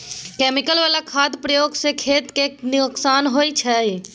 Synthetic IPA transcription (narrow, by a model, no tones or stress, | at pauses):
keːmɪkəlʋaːlakʰaːd̪pɾəjoːɡsekʰeːt̪kenioksaːnɦoːit͡ʃʰɛj